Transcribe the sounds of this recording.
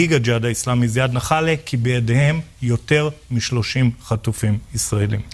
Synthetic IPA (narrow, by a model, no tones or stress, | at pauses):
iɡad͡ʒad̪aislamizjad̪naχalekʰibejadehe̞mjo̞te̞ʁmiʃlo̞ʃimχatufimisʁaelim